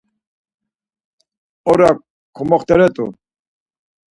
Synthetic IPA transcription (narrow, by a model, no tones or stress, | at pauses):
ɔɾa | kʰɔmɔχt̪ʼɛɾɛt̪ʼṵ